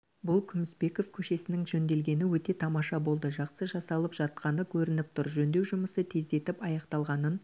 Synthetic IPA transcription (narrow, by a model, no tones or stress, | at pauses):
bʊlˠkʲʰʏmɪsbe̞ko̞fkʲʰɵʃe̞sɪnɪŋʒɵnd̪e̞lɡʲe̞nɪwɵt̪e̞t̪ʰɑmɑʃɑbo̞lˠd̪əʒɑqsəʒɑsɑlˠəpʒ̥ɑt̪̚qɑnəkʲʰɵɾɪnɪp̚t̪ʰʊɾʒɵnd̪e̞wʒʊməsət̪ʰe̞zd̪e̞t̪ɪpɑjɑqt̪ɑlˠʁɑnən